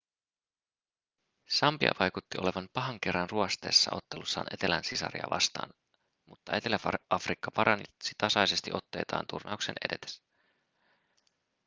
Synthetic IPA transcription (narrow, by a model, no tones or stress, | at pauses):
sɑmpiɑ̰ʋɑjkut̪ːiʔo̞le̞ʋɑmpɑɦɑŋk̟e̞rːɑnruɑst̪e̞ːsːɑ̰o̞t̪ːelusːɑ̰ːnʔe̞t̪e̞lænsisɑ̰ɾiɑ̰ʋʔɑ̰st̪ɑ̰ːn | mut̪ːɑe̞t̪e̞læfɑɑfrikːɑpɑɾʔɑnisit̪ɑsɑjse̞st̪iʔo̞t̪ːe̞jt̪ɑ̰ːnt̪urnɑukse̞nʔe̞̰de̞t̪e̥s